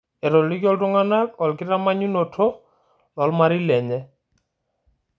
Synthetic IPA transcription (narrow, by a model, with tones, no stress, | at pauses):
ɛ˨ɾɔ˨li˦kɔ˦ltʊ˦ŋa˦na˦kɔ˨lkɪ˦ɾa˦ma˦ɲu˦nɔ˨tʰɔ˦ | lɔ˨lma˦ɾi˦lɛ˨ɲɛ˦